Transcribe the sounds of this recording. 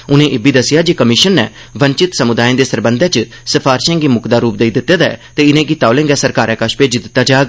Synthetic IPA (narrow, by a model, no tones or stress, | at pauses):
ʊnẽːʔeːbiːd̪əsɪjaːd͡ʒikəmɪʃənːɛː | ʋəɲt͡ʃɪt̪səmʊd̪aːẽːd̪eːsəɾbənd̪ʱɛ̃ːt͡ʃə | səpʰaːɾʃɛ̃ːŋɡiːmʊkd̪aːɾuːp̚d̪eiːd̪ɪt̪ːeːd̪a̰t̪eːɪnẽːɡit̪aːolẽːŋɡɛːsəɾkaːɾɛ̃ːkəʃpeːd͡ʒɪd̪ɪt̪ːaːd͡ʒaːɡ